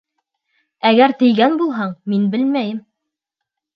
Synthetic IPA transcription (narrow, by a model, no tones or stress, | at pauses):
æɡæɾt̪ɘ̆jɡænbulˠɦɑɴminbɘlmæjɘm